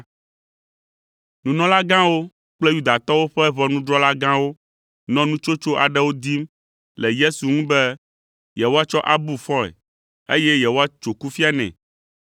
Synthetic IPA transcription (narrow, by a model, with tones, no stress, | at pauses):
nũ˨nɔ̃˦la˦ɡã˦wo˦ | k͡plɛ˦ju˦d̪a˨t̪ɔ˦wo˦ɸɛ˦βɔ˦nũ˦ɖɾɔ˦la˦ɡã˦wo˦ | nɔ̃˦nũ˦t͡ʃo˦t͡ʃo˦ʔa˨ɖɛ˦wo˦d̪i˦m | lɛ˨je˦su˨ŋũ˦bɛ˦ | jɛ˨wo˦a˦t͡ʃɔ˦ʔa˦bu˦fɔ̃˦ɛ̰˨ | e˦jɛ˦jɛ˨wo˦a˦t͡ʃo˨ku˦fi˦a˦nɛ̰̃˨